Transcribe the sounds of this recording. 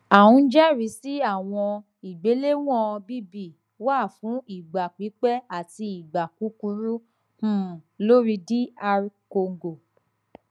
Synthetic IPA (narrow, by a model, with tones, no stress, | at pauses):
a˨wũ˧˦d͡ʒɛ˦ɾi˨˦si˦a˦˨w̃ɔ̃˧ | i˨ɡ͡be˨˦le˦w̃ɔ̃˦˨˧bi˦bi˦˨ | wa˦˨fũ˨˦i˦˨ɡ͡ba˨k͡pi˨˦k͡pɛ˦a˦˨ti˧i˨ɡ͡ba˨ku˨˦ku˧ɾu˦ | h̩˦˨lo˦ɾi˧di˦a˧ɾko˧ŋɡo˨